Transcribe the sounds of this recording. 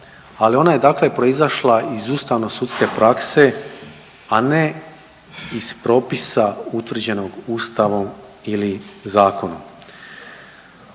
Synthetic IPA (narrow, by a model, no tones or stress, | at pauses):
alio̞naje̞d̪akle̞pɾo̞izaʃlˠaizuːst̪aʋno̞sut̪ske̞pɾakse̞ | ane̞ | ispɾo̞ːpisaut̪ʋr̩d͡ʑe̞no̞ɡuːst̪aʋo̞m | ilizaːko̞no̰m